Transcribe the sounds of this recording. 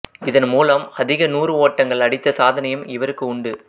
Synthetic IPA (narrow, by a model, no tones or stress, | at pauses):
ɪðɐnmuːlɐmɐðɪɣɐnuːrɯoːʈːɐŋɡɐɭɐɽɪt̪ːɐsaːðɐnɐjɯmɪʋɐɾɯkːɯʊɳɖɯ